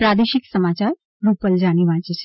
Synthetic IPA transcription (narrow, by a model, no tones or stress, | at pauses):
pɾad̪eʃiksəmat͡ɕaɾ | ɾupəld͡ʒaɽ̃iʋãt͡ʃet͡ʃʰe̥